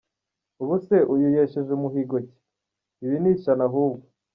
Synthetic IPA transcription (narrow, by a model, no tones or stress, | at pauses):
uβuseʔujujeʃeʒumuɦiɡoci̥ | iβiniːt͡ʃanaɦuːbɡo